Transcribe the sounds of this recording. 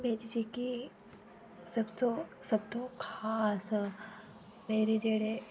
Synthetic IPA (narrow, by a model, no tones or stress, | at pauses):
med̪id͡ʒiki | sɐbsosɐb̚t̪okʰas | meːɾid͡ʒeɽe